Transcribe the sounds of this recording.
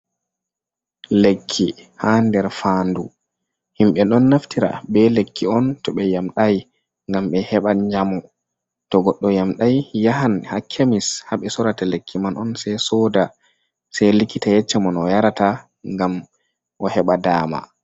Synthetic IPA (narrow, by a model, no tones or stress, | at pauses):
lekʰːihandɛɾfaːndu | himɓɛɗɔnːaftiɾa̰bɛlekːiɔntɔɓɛjamɗaj | ŋɡamɓɛhɛɓaɲd͡ʒamɔ | tɔɡɔɗːɔjamɗajjaɦanhakʰemishaɓɛsɔɾatalekʰːimanʔɔnsajsɔda | sajlikːitajɛt͡ʃːɛmɔnɔjaɾata | ŋɡam | ʔɔhɛɓadaːma̰